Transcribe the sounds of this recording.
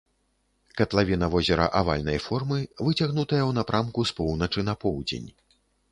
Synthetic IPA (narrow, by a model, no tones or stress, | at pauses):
kɐt̪lˠavʲinɐvɔzʲɛɾɐ̰ʔava̰lʲnɐjfɔrmɨvɨt͡sʲaɣnut̪ɐjɐwnapɾʔamkuspɔwnɐt͡ʂɨnɐpɔwd͡zʲḛnʲ